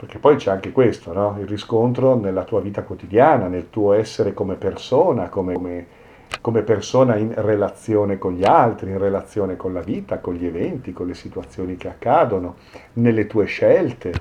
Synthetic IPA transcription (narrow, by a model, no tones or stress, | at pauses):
perkepːɔjt͡ʃɛaŋk̟ekwest̪onɔilriskont̪ɾonelːat̪uːaviːt̪akwot̪id̪jaːnanelt̪uːoɛsːeɾekomepersoːnakomeme | komepersoːnainrelat̪sːjoːnekoɲʎialt̪ɾiːnrelat̪sːjoːnekonlaviːt̪akonʎievɛnt̪ikonlesit̪uat̪sːjoːnik̟eakːaːd̪ono | nelːet̪uːeʃɛlt̪e